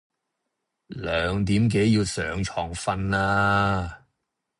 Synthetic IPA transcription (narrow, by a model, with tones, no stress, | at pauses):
lœː˨ŋt̪iː˨˥mk̬e˨˥jjiː˧wsœː˨˧ŋt͡ʃʰɔː˨ŋfɐ˧nlaː˧